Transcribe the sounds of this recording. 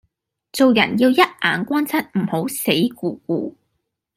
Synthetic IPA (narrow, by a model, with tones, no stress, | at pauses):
t͡so˨wjɐ̰˨˩njiː˧wjɐ˥t̚ʔa̰ː˨˩nkʷaː˥nt͡sʰɐ˥t̚m̩˨˩ho˨˥wse˨˥jkuː˨˧kuː˨˧